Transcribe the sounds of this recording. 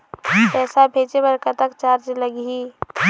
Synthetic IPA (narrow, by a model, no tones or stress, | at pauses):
pɛːsabʱeːt͡ʃebəɾkət̪akt͡ʃaːɾd͡ʒləɡi